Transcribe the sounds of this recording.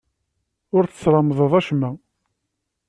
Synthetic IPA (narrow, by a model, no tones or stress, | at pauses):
ʊɾθə̥t͡sːɾˤɑmðˤəðˤæʃmæ